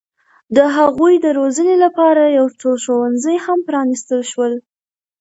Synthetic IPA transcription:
d̪əɦaɣujd̪əɾozənelapɑɾajawt͡soʃowanzəjhampɾɑnist̪əlʃwəl

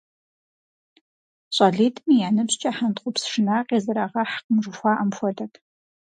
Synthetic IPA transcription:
ɕʷʼɑːɮiːtʰʼmijaːnɨbɕt͡ʃʼɐħant̪χʷʊpsʂɨnaːqʼeːzɨɾaːʁɐħqəmʐɨxʷɑːʔɐmfʷɔdɐkʰ

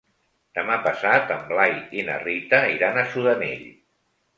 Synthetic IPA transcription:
d̪əmapəsat̪əmblajinə̰rit̪əiɾanəsuðənḛʎ

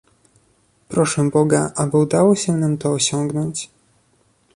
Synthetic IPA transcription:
pɾɔʂɛ̃bɔɡaʔabɘud̪awɔɕɛnamt̪ɔːɕɔŋɡnɔɲt͡ɕ

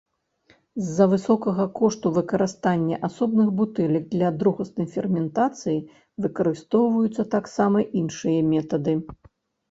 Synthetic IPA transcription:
zːɐvɨsɔkɐɣɐkɔʂt̪uvɨkɐɾɨst̪anʲːɐ̰ʔasɔbnɨxbut̪ɛlʲɐɡ̚d̪lʲɐd̪ɾuɣɐsnɐjfʲɛrmʲɛnt̪at̪sɨji | vɨkɐɾɨst̪ɔwvɐjut̪sːɐt̪aksamɐʔinʂɨjɐmʲɛt̪ɐd̪ɨ

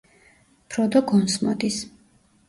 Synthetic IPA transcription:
pʰɾɔd̪ɔɡɔnsmɔ̰d̪is

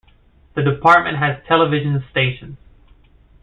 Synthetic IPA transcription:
ðɨdɨpʰɑɹt̚mʔɨ̰̃nʔ̚ɦɨz̥tʰɛlˠəvɪʒɨ̃nsteɪʃn̩z̥

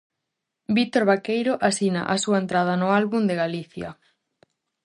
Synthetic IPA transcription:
bit̪oɾβakejɾoʔasina̰ʔasuɐent̪ɾað̞ɐnʊalβund̪eɣaliθjɐ̰

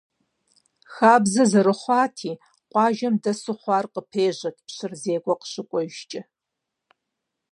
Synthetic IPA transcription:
xaːbzɐzɐɾɨχʷɑːtʰiː | qʷʼɑːʒɐmdɐsɨχʷɑːrqəpʰeːʑɐkʰʼpɕɨrzeːkʷʼɔqə̥ɕɨkʷʼɔʒt͡ʃʼɪ

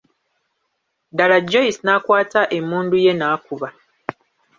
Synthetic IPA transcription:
dalad͡ʒːoisnaːkwaːtaʔe̞muːnduje̞naːkuβa

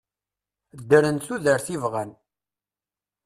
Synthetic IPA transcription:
d̪ːəɾənθuðəɾθivʁən

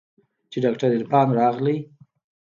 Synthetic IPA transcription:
t͡ʃeɖɑkʈaɾd̪ed̪pɑnɾɑɣli

